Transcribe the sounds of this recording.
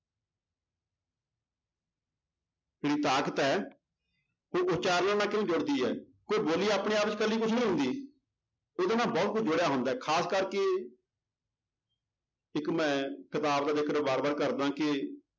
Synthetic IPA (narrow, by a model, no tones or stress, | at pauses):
d͡ʒeːɽiːt̪aːkət̪ɛː | oːʔʊt͡ʃaːɾləːnaːkɪʋẽːd͡ʒʊɽd̪iːɛ̰ː | koːiːboːliːaːpɽeːaːpt͡ʃkəlːiːkʊt͡ʃʰnĩːɦʊ̃nd̪iː | oːd̪aːnãːbɔːt̪̚kʊt͡ʃʰd͡ʒʊɽejaːɦʊ̃nd̪aːɛːkʰaːskəɾke | ɪkmɛ̃ːkʰɪt̪aːbd̪aːd̪ɪkʰəɾbaːɾbəːɾkəɾd̪ãːkɪ